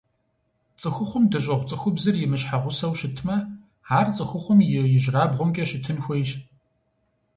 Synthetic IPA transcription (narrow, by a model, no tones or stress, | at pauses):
t͡sʼɨxʷʊχʷʊmdɨɕ̬ʼɐʁʷt͡sʼɨxʷʊbzɨrjɪmɨɕħaʁʷʊsɐwʃɪtʰmɐ | aːrt͡sʼɨxʷʊχʷʊmjɪjɪʑraːbʁʷʊmkʲʼɐɕɪtʰɨnxʷejɕ